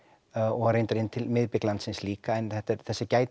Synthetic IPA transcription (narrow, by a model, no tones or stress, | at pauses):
ɔɣɾrejnt̪aɾɪnːt̪ʰɪlmɪðpɪklant̪sɪnsliːkaɛnθɛht̪ɛɾθɛsːɪcaːjt̪